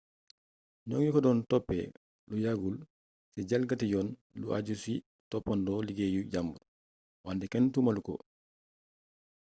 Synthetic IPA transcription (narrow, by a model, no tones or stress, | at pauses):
nɔŋjikɔdɔːntɔpːɛ̰ | lujaɡul | siɟalɡatijɔːnlṵʔa̰ɟusui | tɔpːandɔːliɡeːjuɟambuɾ | wandɛkɛntumalukɔ̰